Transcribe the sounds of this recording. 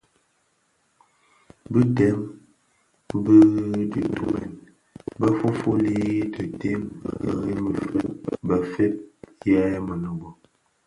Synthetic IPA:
bi˦tɛ˨˦m | bə˦di˨tu˨mɛ̰˨n | bə˦fo˦fo˦li˦tə˨te˦m̰˨ɡa̰˨ŋi˦mə˨fə˨ba˨fe˦p̚jɛ˦mə˨nə˨bɔ˨

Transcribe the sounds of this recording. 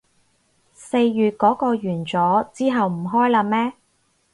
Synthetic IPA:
se˧jːyː˨t̚kɔː˨˥kɔː˧jyː˨˩nt͡sɔː˨˥t͡siː˥ɦɐ˨wm̩˨˩ɦɔː˥jlaː˧mɛː˥

